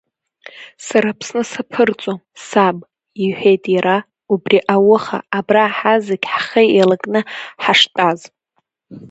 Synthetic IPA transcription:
saɾapʰsnɨsapʰɨrt͡sʷʼomsab | iħʷᶣe̞jtʼjaɾa | ubriʔawʊχa̰ːbraħazeɡʲħχejelakʼnɨħaʂtʼaz

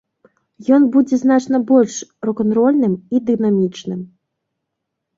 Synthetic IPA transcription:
jɔnbud͡zʲɛznat͡ʂnɐbɔlʲʂɾɔkɔnt̪ɾɔlʲnɨmid̪ɨnamʲit͡ʂnɨm

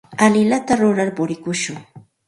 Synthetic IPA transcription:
alɪlat̪aɾʊɾaɾpʊɾɪkʊʃʊŋ

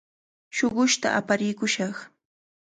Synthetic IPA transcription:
ʃoɢʊʃt̪a̰ʔa̰paɾɪjkʊʃɑχ

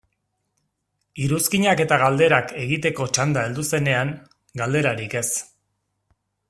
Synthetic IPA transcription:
iɾuskiɲake̞t̪aɣald̪e̞ɾakʰe̞ɣit̪e̞ko̞t͡ʃand̪aeld̪use̞ne̞aŋ | ɡald̪e̞ɾaɾike̞s

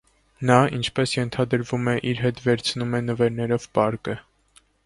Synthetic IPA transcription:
nɑint͡ʃʰpɛsjɛnt̪ʰɑd̪əɾvumɛʔiɾɦɛt̪vɛɾt͡sʰnumɛnəvɛɾnɛɾɔvpɑɾkə

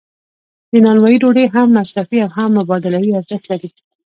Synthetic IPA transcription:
d̪ənɑnwɑjiɖoɽeɦamːasɾafiawɦamːʊbɑd̪ɪlawiaɾzəxt̪laɾi

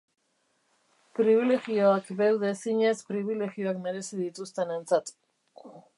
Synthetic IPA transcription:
pɾiβ̞ile̞ɣio̞akbewðe̞siɲe̞spɾiβ̞ile̞ɣio̞akme̞ɾe̞sið̞it̪ust̪e̞nent͡sat̪

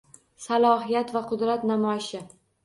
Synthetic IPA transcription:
salˠɒɦɪjat̪vaqʰʊd̪ɾat̪namɒɪʃɪ

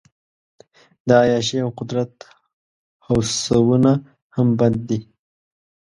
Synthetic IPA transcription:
d̪əajɑʃ̬eawqʊd̪ɾat̪ | hawssawuna | hamband̪ːi

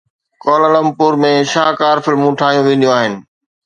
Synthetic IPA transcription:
kɔːlələmpuːɾmẽʃaːkaːɾfɪlmũːʈʰaːɦijũʋẽːnd̪jũaːɦɪnɪ̆

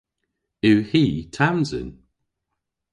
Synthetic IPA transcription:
ʉwhiːtʰamzə̰n

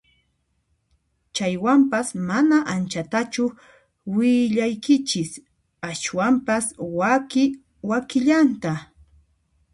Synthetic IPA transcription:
t͡ʃajwampasmanaʔant͡ʃat̪at͡ʃʊ | wɪʎajkɪt͡ʃɪs | aʃwampaswakɪ | wakɪʎant̪a

